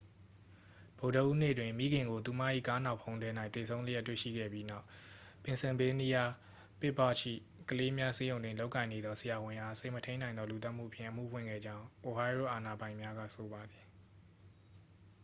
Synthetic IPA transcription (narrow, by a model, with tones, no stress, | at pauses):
b̥o˨də˨ʔu˦nḛ˦˨dwɪ̃˨mḭ˦˨ɡɪ̃˨ŋɡo˨t̪u˨ma̰˦˨ʔḭ˦˨ka˦nã˨pʰːõ˦ʊ̃ndɛ˦na˦ɪ̃t̪θe˨sʰõ˦ʊ̃lə˦jɛ˦tːwḛ˦˨ʃḭ˦˨ɡɛ̰˦˨bji˦na˦ʊpɪ̃˨nsɪ̃˨be˦ni˦ja˦ | pɪ˦pːa̰˦˨t͡ɕʰḭ˦˨ | kəle˦mja˦se˦jõ˨ʊ̃dwɪ̃˨lo˦ʊkã˨ɪ̃ne˨d̪ðɔ˦səja˨wɪ̃˨ʔa˨sẽ˦˨mətʰẽ˦ɪ̃nã˨ɪ̃nd̪ðɔ˦lu˨t̪a˦ʔm̥ṵ˦˨əpʰjɪ̰̃˦˨ʔəm̥ṵ˦˨pʰwɪ̰̃˦˨ɡɛ̰˦˨d͡ʑã˦ʊ̃ʔo˨ɦa˦ɪɹo̰˦˨ʔa˨na˨bã˨ɪ̃mja˦ɡa̰˦˨so˨ba˨d̪i˨